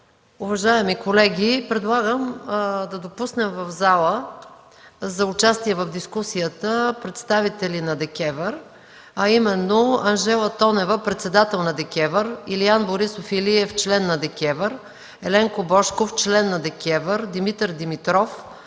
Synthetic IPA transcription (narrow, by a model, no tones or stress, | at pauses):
ʊvɐʒaɛmikolɛɡʲipɾɛd̪lˠaɡəmd̪ɐd̪opusnɛmvɐvzalˠə | zɐʊt͡ʃast̪iɛvəvd̪iskusijət̪əpɾɛt̪st̪avit̪ɛlinɐd̪ɛkʲɛvəɾ | ɐimɛnːoɐnʒɛlˠət̪ɔnɛvəpɾɛt̪sɛd̪at̪ɛlˠnɐd̪ɛkʲɛvəɾilianboɾisofiliɛft͡ʃlɛnːɐd̪ɛkʲɛvəɾ | ɛlɛŋkobɔʃkoft͡ʃlɛnːɐd̪ɛkʲɛvəɾd̪imit̪əɾd̪imit̪ɾɔf